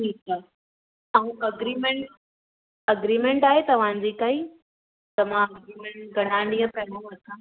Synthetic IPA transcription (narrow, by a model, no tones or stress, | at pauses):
ʈʰiːka | aũʔɐɡɾiːmẽɳʈ | ɐɡɾiːmẽɳʈaːɦet̪ɐʋ̤ãːɲd͡ʑikaɦi | t̪ɐmãɐɡɾiːmẽɳʈɡʱɐɽ̃ãːnijə̃pɛnəlɐt̪ʰãː